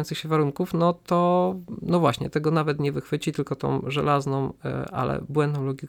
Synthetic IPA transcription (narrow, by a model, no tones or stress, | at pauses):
ɔnt̪sɨxɕɛvaɾuŋkufnɔt̪ɔnɔvwaɕɲɛ̰t̪ɛɡɔnavɛt̪ɲɛvɘxfɘt͡ɕit̪ɘlkɔt̪ɔ̰̃wʐɛ̰laznɔ̃wʔa̰lɛ̰bwɛ̃nd̪nɔ̃w̃lɔɡʲik